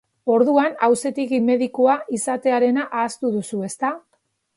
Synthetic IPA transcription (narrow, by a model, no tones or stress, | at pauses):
o̞ɾðuanawse̞t̪ikime̞ðikoaʔisat̪e̞aɾe̞naʔaːst̪uðusue̞st̪a